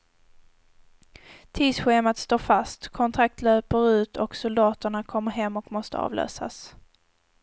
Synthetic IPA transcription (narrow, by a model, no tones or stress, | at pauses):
t̪ʰiːsɧeːmat̪st̪oːɾfast̪kʰɔnt̪ʰɾak̚t̪ʰløːpəɾʉ̟ːt̪ʰɔksʊld̪ɑːt̪əɳakʰɔmːəɾɦɛmːɔkmɔst̪ə̰ɑ̰ːvlø̰ːsa̰s